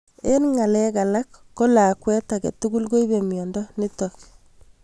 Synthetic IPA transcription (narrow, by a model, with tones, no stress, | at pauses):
e˦nŋa˨lɛ˦ka˨la˦kːo˦la˨kwɛ˦ta˨kɛ̰˨tuɡu˦lko˦i˦be˨mjɔ˨ndɔ˦nɪ˦tɔk